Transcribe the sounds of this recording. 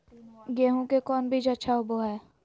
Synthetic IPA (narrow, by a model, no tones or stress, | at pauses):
ɡeːɦõkekɔːnbʱid͡ʒɐtːʃʰaʊboɦɛː